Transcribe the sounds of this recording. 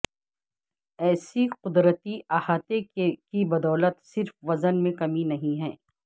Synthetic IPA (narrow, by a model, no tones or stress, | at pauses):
ɛːsiqʊd̪ɾət̪iʔaːhaːt̪ekibɐd̪ɔːlət̪sɪɾfʋɐzənmẽkɐminɐɦĩɦɛː